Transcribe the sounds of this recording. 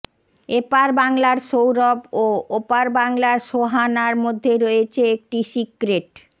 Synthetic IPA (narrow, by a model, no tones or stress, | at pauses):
epaɾbaŋlaɾʃowɾɔboopaɾbaŋlaɾʃoɦanaɾmod̪ʱːeɾoet͡ɕʰeek̚ʈisikɾeʈ